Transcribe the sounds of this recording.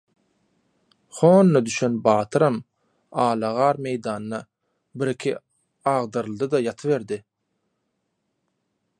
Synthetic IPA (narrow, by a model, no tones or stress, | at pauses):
χoːnːɑd̪yʃenbɑːt̪ʰɯɾɑm | ɑːlˠɑʁɑːɾme̞jd̪ɑːnnɑ | biɾikʰʲi | ɑːʁd̪ɯɾlˠd̪ɯd̪ɑjɑt̪ʰɯβe̞ɾd̪ɪ